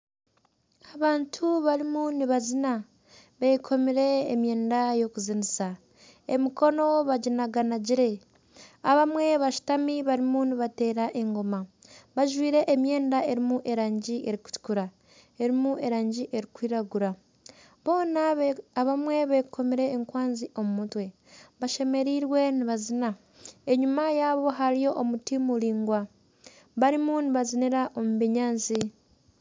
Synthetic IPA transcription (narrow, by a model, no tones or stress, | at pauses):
aβaːntʰuβaɾimuniβazina | βekʰo̞miɾe̞ːmje̞ːndajo̞kuzinisa | emiko̞no̞βaɟinaɡanaɟiɾe̞ | aβamwe̞βaʃu̥tamiβaɾimuniβate̞ːɾaʔe̞ŋɡo̞maβaʒwiːɾe̞ʔːmje̞ːndae̞ɾimuʔe̞ɾaːɲɟiʔe̞ɾiku̥tu̥kuɾa | e̞ɾimue̞ɾaːɲɟiʔeɾikwiːɾaɡuɾa | βo̞ːnaaβamwe̞βekʰo̞miɾe̞ːŋkwaːnziʔo̞mumutwe̞ | βaʃe̞me̞ɾiɾwe̞niβazina | e̞ɲumajaβo̞ɦaɾijo̞ʔːmutimuliːŋɡwa | βaɾimuniβaziniɾaʔo̞muβeɲaːnzi